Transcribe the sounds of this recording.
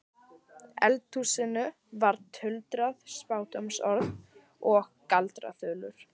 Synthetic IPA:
ɛ̰lt̪ʰːuːsɪnʏ | vaɾt̪ʰʏlt̪ɾaðspaːwt̪ɔmsɔɾð | ɔɣkalt̪ɾa̰θœːlʏɾ̥

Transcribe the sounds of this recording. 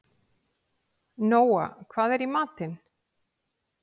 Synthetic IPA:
noːwa̰kʰvaːðɛɾimaːt̪ɪn

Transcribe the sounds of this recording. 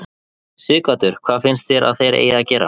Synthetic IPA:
sʏːkat̪ʏɾ̥kʰv̥aːðfɪnst̪θjɛɾa̰ðθejɾʔḛːjacɛːɾa̰

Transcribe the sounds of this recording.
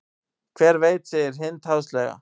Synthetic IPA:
kʰvɛːɾveːjt̪sɛɪɾ̥ɦɪnt̪ʰhawslɛɣa̰

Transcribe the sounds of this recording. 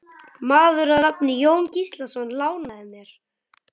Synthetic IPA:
maːðʏɾanapnɪjoːwncist̪lasɔnːlaːwnaðɪmjɛɾ̥

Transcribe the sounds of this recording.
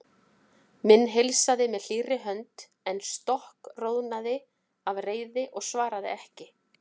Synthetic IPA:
mɪnːɦejlsaðɪmɛðl̥iːrɪɦœnt̪ | ɛnst̪ɔhkrownaðɪ | avreːjðɪʔɔɣsvaːɾaðɪ̰ɛhcɪ

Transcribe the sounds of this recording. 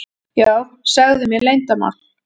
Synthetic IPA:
jaːwsaɣðʏmjɛlejnt̪ama̰

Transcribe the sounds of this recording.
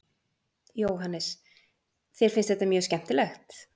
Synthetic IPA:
joːwɦanːɪs | θɛɾ̥fɪnst̪hɛt̪amjœːscɛn̥t̪ɪlɛxt̪

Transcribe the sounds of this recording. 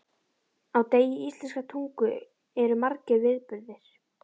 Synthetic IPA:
awt̪eːjɪist̪lɛnskat̪ʰuŋkʏ | ɛɾʏmaɾcɪvɪðpʏɾðɪɾ̥

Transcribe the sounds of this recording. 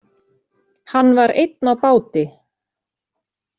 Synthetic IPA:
hanːvaɾḛjt̪nawpaːwt̪ɪ

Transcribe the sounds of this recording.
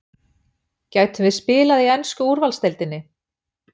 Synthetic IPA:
caːɥt̪ʏvɪðspɪːlaðiɛnskʏuɾvalst̪ɛjlt̪ɪnːɪ

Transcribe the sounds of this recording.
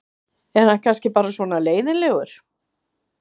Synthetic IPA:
ɛnhankʰanscɪpaːɾasvɔːnaleːjðɪnlɛːɣʏɾ̥

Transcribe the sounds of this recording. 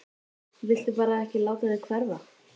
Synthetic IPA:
vɪl̥t̪ʏpaːɾaɛhcɪlaːwt̪aðɪkʰvɛɾva

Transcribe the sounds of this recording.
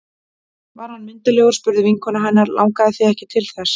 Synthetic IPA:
vaɾ̥hanːmɪnt̪aljoɣɾspʏɾðɪviŋkʰɔnaɦanːaɾlʔa̰wŋkaðɪθiɛhcɪt̪ʰɪlθɛs

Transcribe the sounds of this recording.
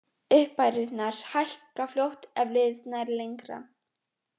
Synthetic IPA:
ʏhpajɾɪt̪naɾ̥hajhkafljowht̪ɛvlɪðsnaɾlejŋkɾa̰

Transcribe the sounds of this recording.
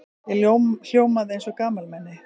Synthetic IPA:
ljowml̥joːwmaðɪejnsɔkaːmalmɛnːɪ

